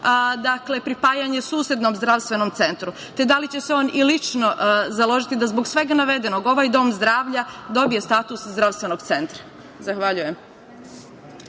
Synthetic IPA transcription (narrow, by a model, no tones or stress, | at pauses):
d̪akle̞pɾipaːjaɲe̞suːsje̞d̪no̞mzd̪ɾaʋst̪ʋe̞nomt̪se̞nt̪ɾu | t̪e̞d̪alit͡ɕe̞se̞o̞ːnilit͡ʃno̞zalˠo̞ʒit̪id̪azbo̞ɡsʋe̞ɡanaʋe̞d̪eno̞ɡo̞ʋajd̪o̞ːmzd̪ɾaːʋʎad̪o̞bije̞st̪aːt̪uszd̪ɾavst̪ʋe̞no̞ɡt̪se̞nt̪ɾa | zaxʋaʎuje̞m